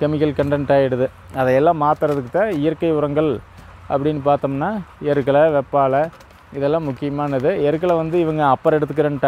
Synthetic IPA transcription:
kɛmɪkːɐlkɐɳɖɐnʈaːjɪɽɯðɯ | ɐðɐɛlːãːmaːt̪ɯɾɐðɯkːɯt̪ãːɪjɐɾkɐɪʊɾɐŋɡɐɭ | ɐ̰pːɐɽɪnːɯpaːɾt̪ɐmnːaːɛɾɯkːɐɭɐʋɛpːaːlɐ | ɪðɛlːãːmʊkːɪjɐmaːnɐðɯɛɾɯkːɐɭɐʋɐnd̪ɯɪʋɐŋɡɐɐpːɐɾɛɽɯt̪ːɯkːɪɾɐnɯʈɐ

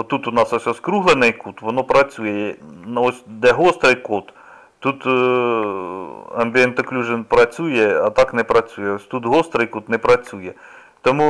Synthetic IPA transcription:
ɔt̪ut̪ʊnɑsɔsʲɔskɾuɦlˠenɛjkut̪ʋɔnɔpɾɐt͡sʲujɛjɛnɔsʲd̪ɛɦɔst̪ɾɪjkut̪ | t̪ːut̪ | ɐmʲbʲiɛnt̪ɔklʲuʒɪnpɾɐt͡sʲujɛɐt̪ɑknɛpɾɐt͡sʲujɛɔsʲt̪ut̪ɦɔst̪ɾɐjkut̪nɛpɾɐt͡sʲujɛ | t̪ɔmu

